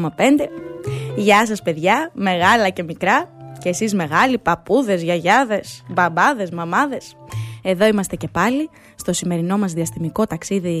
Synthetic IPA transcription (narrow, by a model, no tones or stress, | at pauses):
mɐpe̞nd̪e̞ʝɐs̬ɐspe̞ðʝɐme̞ɣɐlɐce̞mikɾɐceːsizme̞ɣɐlipɐpuðe̞zʝɐʝɐðe̞sbɐbɐðe̞zmɐmɐðe̞se̞ðo̞imɐst̪e̞ce̞pɐli | st̪o̞sime̞ɾino̞mɐzðiɐst̪imiko̞t̪ɐksiði